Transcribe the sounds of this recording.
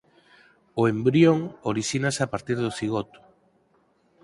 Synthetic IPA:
oembɾjoŋoɾiʃinasapaɾt̪iɾðʊθiɣot̪ʊ̥

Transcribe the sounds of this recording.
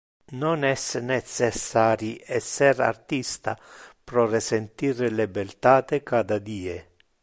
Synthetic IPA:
nɔnɛsnɛt̪sɛsːaːɾiʔɛsːɛɾa̰rt̪ist̪a̰pɾɔrɪsent̪iːɾlɛbɛlt̪aːt̪ekad̪ad̪iːe

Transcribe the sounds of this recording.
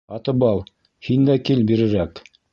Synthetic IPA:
ɑt̪ɤ̆bɑlˠ | hind̪ækilbiɾɘ̆ɾæk

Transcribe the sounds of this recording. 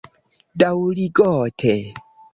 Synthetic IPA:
dawliɡɔtʰe

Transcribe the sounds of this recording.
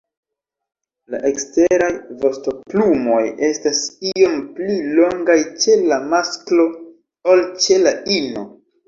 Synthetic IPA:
la̰ʔekste̞ɾajvo̞sto̞plumo̞je̞stasio̞mplilo̞ŋɡajt͡ʃe̞lamasklo̞ | olt͡ʃe̞laino̞̰

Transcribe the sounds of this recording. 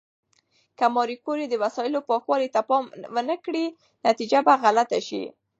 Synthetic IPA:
kamɑɾikoɾed̪əwasɑjɪlopɑxwɑlit̪apɑmwənəkɽi | nat̪id͡ʒabaɣalat̪aʃḭ

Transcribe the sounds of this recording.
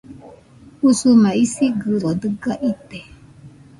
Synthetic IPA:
usumãisiɡɨɾod̪ɨɡaʔit̪e

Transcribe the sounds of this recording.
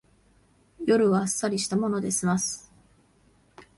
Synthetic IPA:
jo̞ɾɯ̟βaːsːaɾʲiɕi̥t̪amo̞no̞d̪e̞ɕimasɨ̥

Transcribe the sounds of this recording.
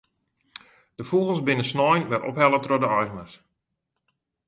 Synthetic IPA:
d̥əfuɣəlˠsbɪnəsnɔjnʋɛrɔ̰pɦɛlˠətrodəɔjɣəməs

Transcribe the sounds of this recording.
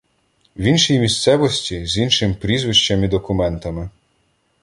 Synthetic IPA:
wʲinʃijmʲist̪sɛʋɔsʲtʲizʲinʃɪmpɾʲizʋɪʃt͡ʃɐmid̪ɔkʊmɛnt̪ɐmɪ

